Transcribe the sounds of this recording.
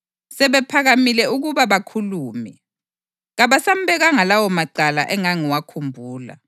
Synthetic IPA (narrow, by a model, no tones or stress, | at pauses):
sɛβɛpʰaɣamilɛuɣuβaβakʰuluːmɛ | ɣaβasam̩bɛɣaŋalawɔmaǃala̰ʔɛŋaŋiwakʰumbʱuːla̰